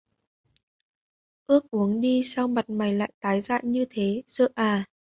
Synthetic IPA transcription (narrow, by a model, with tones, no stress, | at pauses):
ʔɨ˦˥ək̚ʔu˨˦əŋɗi˧sa˧wma˨˩t̚ma˨˩jla̰ː˧˨jt̪aː˨˦jza̰ː˧˨jɲɨ˧t̪ʰe˨˦zə̰ː˧˨ʔaː˨˩